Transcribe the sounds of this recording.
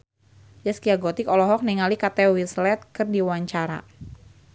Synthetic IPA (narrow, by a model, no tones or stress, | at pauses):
d͡ʒaskiaɡɔt̪ɪkɔlɔɦɔk̚niŋalikat̪ɛwislɛt̪̚kɨrdiwaɲt͡ʃaɾa̰